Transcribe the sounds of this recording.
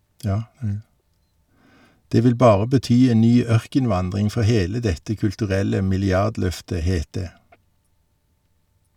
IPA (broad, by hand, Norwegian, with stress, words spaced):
ˈdeː ˈʋɪl ˈbɑːʁə bəˈtyː ˈeːn ˈnyː ˈœʁkənˌʋɑndʁɪŋ ˈfɔ ˈheːlə ˈdɛtə kʉltʉˈʁɛlə mɪlɪˈɑʁdˌlœftə ˈheːt ˈdeː